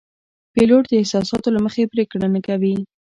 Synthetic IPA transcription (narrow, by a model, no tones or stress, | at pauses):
peloʈd̪əɪhsɑsɑt̪olaməxepɾekɽanakawi